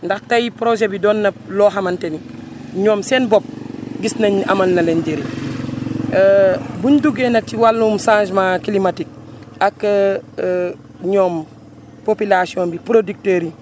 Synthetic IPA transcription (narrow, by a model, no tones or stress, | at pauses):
ndaxtajipɾoʒebidoːnːɐloːɦamanteni | ɲoːmseːnbop̚ɡisnɐɲa̰mɐlnɐlenɟeɾi | buɲduɡenɐk̚tiwalːumsãːʃmakilimatik̚ | akː | ɲoːm | popilasiõnbipɾodik̚teːɾi